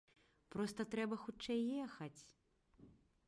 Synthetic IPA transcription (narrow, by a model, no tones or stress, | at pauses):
pɾɔst̪ɐt̪ɾɛbɐxut͡ʂɛjːɛxɐt͡sʲ